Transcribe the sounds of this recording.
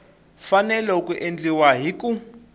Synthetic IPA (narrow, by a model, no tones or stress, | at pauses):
fanɛlɛukʼuʔend͡ɮiwaɦiku